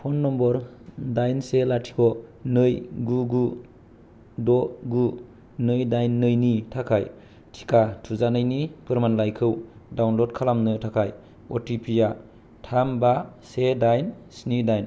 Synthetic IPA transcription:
pʰɔnːɔmbɔɾdajnselatʰi̥kʰɔnɯjɡuɡu | dɔɡu | nɯjdajnːɯjnitʰakʰaj | tʰi̥kʰatʰuzanajnipɯɾmanlajkʰɯwdawnlodkʰalamnɯtʰakʰaj | ɔtʰipʰija | tʰamba | sedajnsnidajn

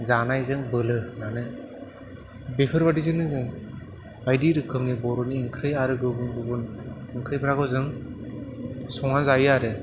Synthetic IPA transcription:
zanajzɯŋbɯlɯnanɯ | bepʰɯɾbadizɯŋnɯzɯŋ | bajdiɾɯkʰɯmnibɔɾɔniːŋkʰɾɯjaɾɯɡɯbɯnɡɯbɯnɯŋkʰɾɯjbʰɾaɡɔzɯŋ | sɔŋanzajɯaɾɯ

